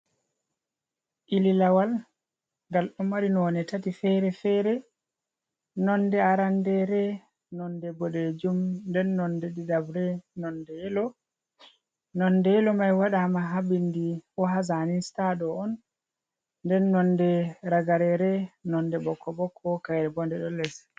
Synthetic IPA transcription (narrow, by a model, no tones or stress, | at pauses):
ʔililawal | ŋɡalɗumːaɾinɔnɛtatifɛɾɛfɛɾɛ | nɔndɛaɾandɛɾɛ | nɔndɛbɔɗɛd͡ʒumndɛnːɔndɛdidabɾɛnɔndɛɛlɔ | nɔndɛɛlɔmajwaɗamaɦabindiwɔɦazaninstaɗɔɔnː | dɛnːɔndɛɾaɡaɾɛɾɛnɔndɛbɔkʰːɔbɔkʰːɔkajɾɛbɔndɛɗɔlːɛs